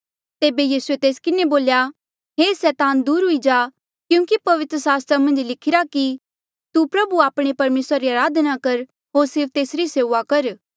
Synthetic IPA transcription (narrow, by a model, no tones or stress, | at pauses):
t̪eːbejiːsuet̪eːskɪneboːlja | ɦeːsɛːt̪aːnd̪uːɾɦʊid͡ʒaː | kjũːkipɐʋɪt̪ɾəsaːst̪ɾamɐ̃nd͡ʒlɪkʰɪɾaki | t̪upɾɐbuaːpɽ̃epɐɾmeːsɾaɾiaːɾaːd̪nakɐɾ | ɦoːɾsɪɾpʰt̪eːsɾiseːʋakɐɾ